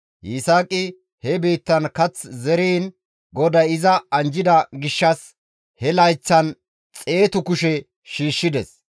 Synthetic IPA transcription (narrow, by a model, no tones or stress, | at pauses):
jisaːkʼɪ | hɛbiːt̪ːɐnkɐt͡szɛɾiːn | ɡɔd̪ɐjɪzɐɐnd͡ʒɪd̪ɐɡɪʃːɐs | hɛlɐjt͡sːɐn | t͡sʼe̞ːt̪ʊkʊʃɛ | ʃiːʃːɪd̪ɛs